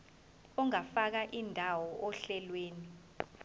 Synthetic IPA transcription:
ɔŋafak̬aʔindʱawɔʔɔɬɛlweːni

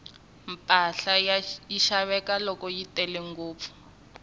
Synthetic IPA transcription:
mpʼaɬajiʃaβɛkalɔkɔjitɛlɛŋɡoːp̪fu̥

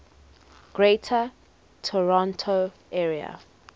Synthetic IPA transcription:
ɡ̥ɹetʰə | tʰɔɹɔ̃ntʰo | ʔɛːɹia̰

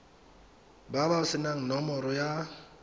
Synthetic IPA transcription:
babaʊsɪnaŋ̩nɔmɔɾɔja

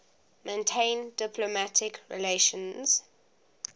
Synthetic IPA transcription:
mẽntʰẽɪ̃ndɪpʰlomatʰɪkʰɹḭleʃə̃nz̥

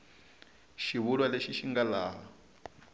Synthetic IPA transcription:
ʃiβulwaleʃiʃiŋɡalaːɦa

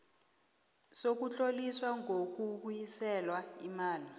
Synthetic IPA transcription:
sok̬ut͡ɬʼoliswaŋʱok̬uɓujisɛlwaimaːli

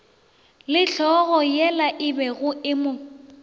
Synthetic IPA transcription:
lɪɬʰɔɣɔjɛlaʔɪbɛɣʊɪmʊ

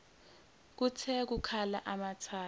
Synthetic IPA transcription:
k̬ut͡sʰɛk̬ukʰala̰ʔamatʰaː

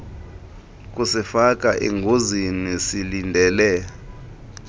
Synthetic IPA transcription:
k̬ʼusifak̬ʼaʔḛŋɡʱozinisilindʱɛlɛ

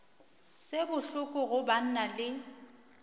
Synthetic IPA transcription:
sebʊɬʊkʼʊɣʊban̩nalɪ

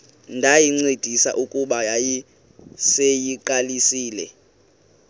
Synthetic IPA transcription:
ndʱajiŋ͡ǀed̥ʱisa̰ʔukʼuɓajaji | sejiǃalisiːlɛ̰

